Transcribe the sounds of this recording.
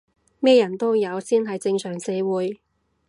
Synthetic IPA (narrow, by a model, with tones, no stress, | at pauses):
mɛː˥jɐ˨˩nt̪o˥wjɐ˨˧wsiː˥nɦɐ˨jt͡sɪ˧ŋsœː˨˩ŋse˨˧jwuː˨˧j